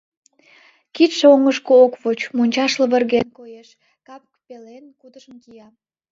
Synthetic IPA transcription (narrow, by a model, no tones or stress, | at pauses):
kit̪ʃeoŋəʃkookβot͡ɕmonʲt͡ɕɑʃləβərɣenkojeʃ | kɑpkpelenkut̪əʃəmkijɑ